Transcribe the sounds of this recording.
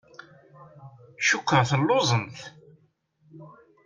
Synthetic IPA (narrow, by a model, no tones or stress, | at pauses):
ʃukːɾθəlːozˤənθ